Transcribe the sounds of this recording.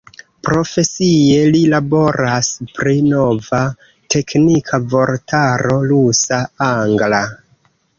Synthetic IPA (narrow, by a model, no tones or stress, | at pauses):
pɾo̞fe̞sie̞lilabo̞ɾaspɾino̞va | tʰe̞knikʰavo̞ɾtaɾo̞lusaaŋɡla